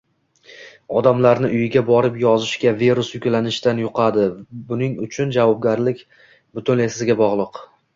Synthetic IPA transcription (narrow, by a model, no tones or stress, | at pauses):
ɒd̪amlaɾnɪʔʊjɪɡʲabɒɾɪpjɒzɪʃɡʲaveɾʊsjʊkʲlanɪʃt̪anjʊqʰɑd̪ɪbʊnɪŋʊt͡ʃʰʊnd͡ʒavɒb̚ɡʲaɾlɪkʲ | bʊt̪ʰʊne̞sɪɪɡʲabɒʁlˠɨq